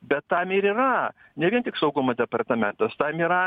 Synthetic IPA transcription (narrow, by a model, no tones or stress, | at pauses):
bʲɛt̪ːɐmɪɾiːrɐ | nʲɛʋʲiɛnt̪ʲɪksɐʊɡʊmɐd̪ʲɛpɐrt̪ɐmʲɛnt̪ɐst̪ɐmiːɾɐ